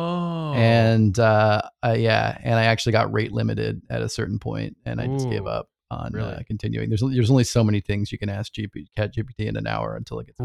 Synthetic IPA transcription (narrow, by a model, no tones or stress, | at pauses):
ɨ̃nʌʌjæ̰ɨ̰̃ñaɪæk̚t͡ʃʉl̩ˠiɡɑ̰ʔ̚ɹeɪʔˡlɪ̃mɨɾɪ̰dɨɾɨsɜ̰˞ʔn̩pʰɔ̰̃ɪ̃nt̚ɨ̰̃naɪd͡ʒʌsɡ̥eɪvʌ̰p̚ | n̩ʌ̰kʰn̩tʰɪ̃njʉ̰ɪ̃ŋðə˞zðə˞zõʊ̃nlisoʊmɛniθɪ̃ŋzjɨkɨ̃næsk̚d̥ʒ̥ipikʰæt͡ʃ̚ʒ̥ipitʰiɨ̰̃nɨ̰̃na̰ʊə̰˞ɨ̰̃ntʰɪlˠəɡ̥ɨts